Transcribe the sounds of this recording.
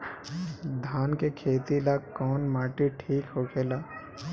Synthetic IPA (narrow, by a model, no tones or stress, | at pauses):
d̪ʱaːnkekʰeːt̪ilakɔːnmaːʈiʈʰiːkɦokʰeːlaː